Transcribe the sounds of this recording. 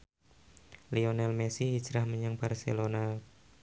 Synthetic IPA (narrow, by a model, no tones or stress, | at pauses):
lionɛlmesihit͡ʃɾahməɲaŋbarsḛlona